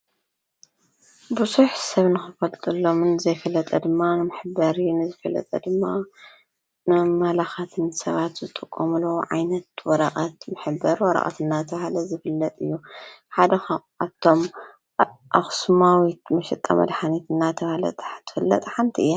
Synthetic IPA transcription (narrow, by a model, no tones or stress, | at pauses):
buzuħsɐβnɨxɨfɐlt̪ʼɨlːo̞mnɨzɐjfɐlːɐt̪ʼɐd̪ɨmːanɨmɨħɨbɐɾinɨzɨfɐlːɐ̰t̪ʼɐ̰d̪ɨmːa | nɨmɐlaxat̪ʰɨnsɐβat̪zɨt̪ʼɨkʼːomulowʕa̰jnɐt̪wɔɾɐqʼat̪mɨħɨbːɐɾwɔɾɐ̰χʼa̰t̪ɨnːat̪ʰɐβahlɐzɨfɨlːɐt̪ʼɨjːuħad̪ɐx | aβt̪ʰːo̞m | ʔa̰xsmawit̪mɐʃɛt̪ʼːa̰mʔɐ̰d̪ħanit̪ʰɨnːat̪ʰɐβhlɐ̰t̪t̪ʰːɨ̥fɨlːɐ̰t̪ʼħant̪ʰiɨjːa